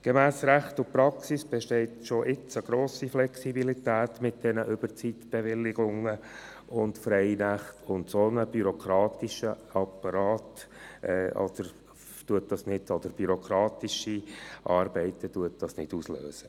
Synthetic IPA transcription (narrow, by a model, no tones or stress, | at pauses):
ɡ̥emæːsɾæχtʊpɾɑksisb̥ɛʃtɛɪtʃoʔɪt͡səɡ̥ɾoːsiflɛksibilitæːtmɪt̚d̥ɛnəʔʏb̥əɾt͡sitb̥ɛvɪlːɪɡ̥ʊŋːə | ʊntfɾɛɪnæχtʰʊntsonəb̥yɾokʰɾɑːtiʃə | ɑpːɑɾɑːtɛɔ̰d̪̥əɾ | d̥uət̚d̥ɑsnɪdɔd̥̪əɾb̥yɾokɾɑːt̪iʃiʔɑːɾbɛɪtəd̥uət̚d̥ɑsnɪd̥uslø̰ːsə̥